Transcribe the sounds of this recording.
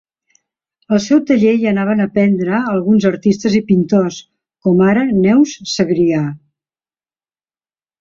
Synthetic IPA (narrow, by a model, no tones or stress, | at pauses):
əlˠsɛwt̪əʎejənaβ̞ənəpɛnd̪ɾəːlˠɣunzəɾt̪ist̪əzipint̪os | kɔmaɾənɛwsːəɣɾia